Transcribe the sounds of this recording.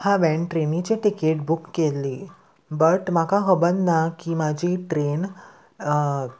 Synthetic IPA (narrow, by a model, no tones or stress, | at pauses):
hãʋɛɳʈɾenĩt͡ɕeʈikeʈ̚bukːeli | bəʈmakaɦəbənːakimad͡ʑʱiʈɾen